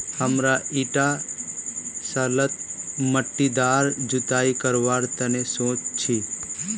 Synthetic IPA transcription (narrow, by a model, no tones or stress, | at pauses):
həmɾaiʈa | sələt̪̚məʈːid̪aɾd͡ʒut̪aikəɾʋaɾt̪ənesõt͡ʃt͡ʃʰi